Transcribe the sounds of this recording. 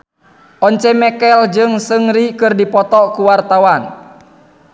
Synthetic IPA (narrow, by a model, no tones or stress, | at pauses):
ʔɔɲt͡ʃɛmɛkɛld͡ʒɨŋsɨŋɾikɨrdipɔt̪ɔkuwart̪awan